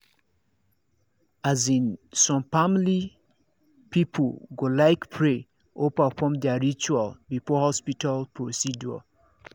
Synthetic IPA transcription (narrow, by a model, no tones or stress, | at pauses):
azĩnsɔ̃mfamili | pipʰoɡolaɪkpʰɹe | opafɔ̃md̪ɛaɹit͡ʃualbifɔhɔspitalpɹosid͡ʒua̰